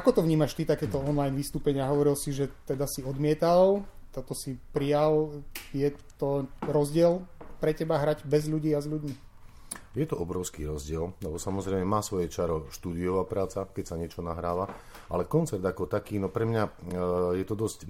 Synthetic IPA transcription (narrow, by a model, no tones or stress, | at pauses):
akɔt̪ɔʋɲiːmaʃt̪it̪akɛːt̪ɔɔnlajnʋist̪uːpɛɲɪaɦɔʋɔɾilsiʒɛt̪ɛd̪asiɔd̪mɪɛt̪alt̪ɔt̪ɔsipɾijaljɛt̪ɔɾɔzɟɪɛlpɾɛcɛbaɦɾaɟbɛzʎuɟiːazʎuɟmi | jɛt̪ɔɔbɾɔʊskiːɾɔzɟɪɛllɛbɔsamɔzɾɛɪmɛmaːsʋɔjɛt͡ʃaɾɔʃt̪uːd̪iɔʋaːpɾaːt͡sakɛcsaɲɪɛt͡ʃɔnaɦɾaːʋa | ʔa̰lɛkɔnt͡sɛɾd̪akɔt̪akiːnɔpɾɛmɲajɛt̪ɔd̪ɔsc